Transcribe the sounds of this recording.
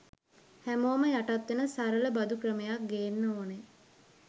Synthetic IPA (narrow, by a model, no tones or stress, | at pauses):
hæmoːməjaʈat̪ʋenəsaɾələbad̪ukrəmejak̚ɡeːnːoːne